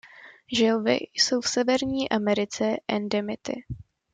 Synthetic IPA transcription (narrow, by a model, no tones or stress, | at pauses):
ʒɛlvɪ̰jso̞wfsɛvɛɾɲiːʔamɛɾɪt͡sɛʔɛndɛmɪt̪ɪ̰